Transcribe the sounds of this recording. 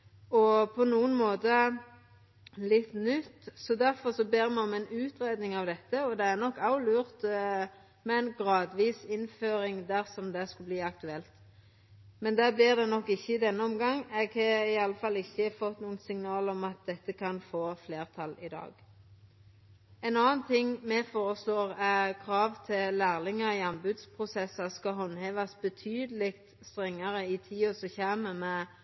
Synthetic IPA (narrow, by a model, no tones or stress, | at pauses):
ɔpʰɔnuːənmoːt̪ə | lɪt̪ːnʏt̪ːsɔd̪æɾfɔʁsɔbeːʁmɛɔmɛnʉːt̪ʁeːd̪nɪŋɑʋd̪ɛt̪ːəɔd̪ɛæʁnɔkːɑʊlʉːʁt̪ | mɛɛnɡɾɑːd̪ʋiːsɪnføːɾɪŋd̪æɾsɔmd̪ɛskʉlbliːɑkt̪ʉɛlt̪ | mɛnd̪ɛːblɪʁd̪ɛnɔkːɪçːəɪd̪ɛnːəɔmɡɑŋːɛɡhɑɪɑlːəfɑlːɪçːəfɔt̪ːnuːənsɪŋnɑːlɔmɑt̪̚d̪ɛt̪ːəkʰɑnfoːfleːʁt̪ʰɑlɪd̪ɑ̰ːɡ | ɛnɑːnt̪ʰɪŋmɛfoːʁəsloːʁækʰʁɑːʋt̪ʰɪllæːʁlɪŋəɾɪɑnbʉd̪spʰʁʊsɛsɑskɑɦɔnːheːʋɑsbət̪ʰyːd̪əlɪkt̪ | st̪ʁɛŋːɑʁəɪt̪ʰiːosɔçæːməmɛ